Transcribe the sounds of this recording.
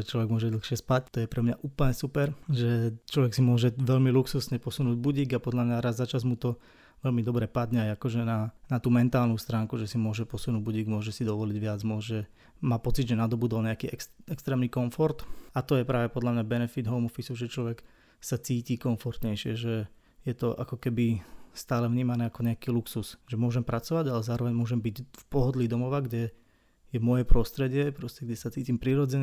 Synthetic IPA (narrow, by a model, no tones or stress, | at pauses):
ɛt͡ʃlɔʋɛɡmʊɔʒɛd̪l̩xʃɪɛspact̪ɔjɛpɾɛmɲaʔuːpl̩ɲɛsupɛɾʒɛt͡ʃlɔʋɛksimʊɔʒɛʋɛʎmiluksusɲɛpɔsunuːɟbuɟiːɡapɔd̪ʎamɲaɾazːat͡ʃazmut̪ɔ | ʋɛlmid̪ɔbɾɛpad̪ɲɛajakɔʒɛnanat̪uːmɛnt̪aːlnust̪ɾaːŋkuʒɛsimʊɔʒɛpɔsunuːɟbuɟiːɡmʊɔʒɛsid̪ɔʋɔliɟʋɪad͡zmʊɔʒɛ | maːpɔt͡sid̪ʒɛnad̪ɔbud̪ɔlɲɛakiːɛkɛkst̪ɾɛːmniːkɔɱfɔɾt̪at̪ɔjɛpɾaːʋɛpɔd̪ʎamɲabɛnɛfid̪ɦɔʊmɔfisuʒɛt͡ʃlɔʋɛk | sat͡siːcikɔɱfɔɾt̪ɲɛjʃɪɛʒɛ | jɛt̪ɔʔa̰kɔkɛbist̪aːlɛvɲiːmanɛːakɔɲɛakiːluksusʒɛmʊɔʒɛmpɾat͡sɔʋaɟalɛzaːɾɔʋɛɲmʊɔʒɛmbiɟfpɔɦɔd̪lid̪ɔmɔʋaɡɟɛ | jɛmʊɔjɛpɾɔst̪ɾɛɟɪɛpɾɔscɛɡɟɛsat͡siːcimpɾiɾɔd͡zɛɲ